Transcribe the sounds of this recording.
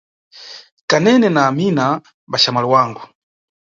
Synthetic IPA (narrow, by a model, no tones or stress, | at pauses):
kanɛnɛnaːmina | baʃamaliwaːŋɡu